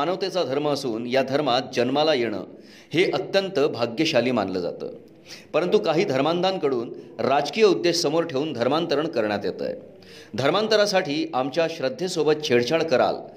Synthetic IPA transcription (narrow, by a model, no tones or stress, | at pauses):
anəʋt̪et͡sad̪ʱəɾməːsuːnjad̪ʱəɾmat̪̚d͡ʑənmalajeɽ̃ə̰ː | heʔət̪jənt̪əbʱaɡjəɕaliːma̰nlə̰ːd͡za̰t̪ə̰ː | pəɾənt̪ukaɦiːd̪ʱəɾmand̪ʱankəɽuːnɾad͡zkijəud̪ːeɕsəmoɾʈʰeuːnd̪ʱəɾmant̪əɾəɳkəɾɳjat̪jet̪ə̰j | d̪ʱəɾmant̪əɾasaʈiːamt͡ɕjaɕɾəd̪ʱːjesobət̪̚t͡ɕʰeɽt͡ɕʰaɭkəɾa̰l